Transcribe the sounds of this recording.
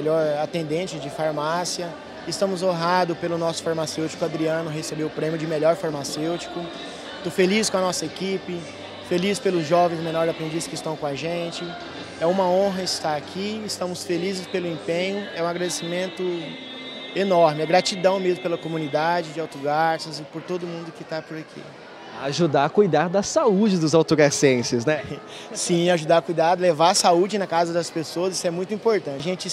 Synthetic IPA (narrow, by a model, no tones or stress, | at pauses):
ʎɔɾat̪ẽnd̪ẽt͡ʃɪd͡ʒɪfaɾmasjɐ | ɪst̪ɐ̃mʊzõɦad̪ʊpelʊnɔsʊ̥faɾmasewt͡ʃi̥kʊɐ̃d̪ɾiɐ̃nʊɦesebeʊpɾẽmjʊd͡ʒɪmeʎɔɾfaɾmasewt͡ʃi̥kʊ | t̪ofeliskõɐnɔsɐekipɪ | felispelʊzʒɔvẽj̃zmẽnɔɾɪzapɾẽnd͡ʒisɐ̥skɪst̪ɐ̃w̃kõaʒẽt͡ʃɪ | ɛũmɐõɦɐɪst̪aɾakʰiɪst̪ɐ̃mʊsfelizɪspelʊẽpẽɲʊɛũaɡɾad̪esimẽnt̪ʊ | enɔɾmɪɛɡɾat͡ʃid̪ɐ̃w̃mezmʊpelɐkomũnid̪ad͡ʒɪd͡ʒɪawt̪oɡaɾsɐzɪpoɾt̪od̪ʊmũnd̪ʊkɪt̪apʊɾakʰḭ | aʒud̪akujd̪aɾd̪ɐsaud͡ʒɪd̪ʊzawt̪oɡasẽsɪznɛ | sĩaʒud̪aɾkujd̪ad̪ʊlevaɾɐsaud͡ʒɪnɐkazɐd̪ɐspesoɐzisɛmũj̃t̪ʊĩpoɾt̪ɐ̃t͡ʃʒẽt͡ʃɪ